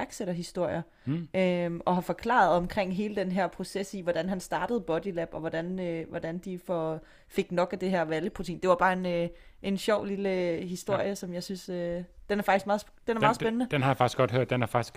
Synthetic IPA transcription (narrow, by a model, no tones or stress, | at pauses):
ɐɡ̥seɾ̥ɐɦisd̥o̝ɐ̰jɐ | ʔømʔɒ̽ɦɑ̈fɒ̽kʰlɑ̰̈ð̩ˠɒ̽mkʰʁeŋ̰ɦe̝ːləd̥enɦeɐpʰʁo̝sesiʋɒd̥ænɦænsd̥ɑ̈ːd̥əð̩ˠb̥ɒ̽d̥ilæb̥ɒ̽ʋɒd̥ænøʋɒd̥ænd̥ifɒ̽ | fe̝ɡ̥nɒ̽ɡ̥æd̥e̝ɦæɐ̰ʋæljəpʰʁot͡sʰḭːnd̥e̝ʋɑ̈b̥ɑ̈ːe̝nʔe̝nɕɒʊ̰liləɦisd̥o̝ɐ̰jəsɒ̽mjɑ̈ɪsynsød̥enæɐfɑ̈ɡ̥isɡ̥mɑ̈ð̩ˠ | d̥enæɐmɑ̈ðˠsb̥enənəd̥enhɑjäfɑ̈ɡ̥i̥sɡ̥ɒ̽d̥høɐ̰d̥d̥enæɐfɑ̈ɡ̥i̥sɡ̥